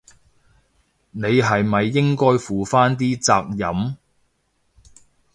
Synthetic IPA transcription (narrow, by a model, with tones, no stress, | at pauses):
ne˨˧jɦɐ˨jmɐ˨jːɪ˥ŋkɔː˥jfuː˨faː˥nt̪iː˥t͡saː˧k̚jɐ˨˥m